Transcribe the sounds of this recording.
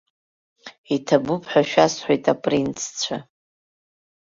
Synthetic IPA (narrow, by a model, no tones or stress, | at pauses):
itʰabʊpʰħʷᶣaʃᶣasħʷojtʼapʼrint͡sʰt͡ɕʷʰa